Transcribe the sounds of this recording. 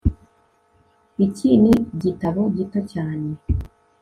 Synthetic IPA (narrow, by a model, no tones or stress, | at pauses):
iciːniɟitaβoɟitocaːne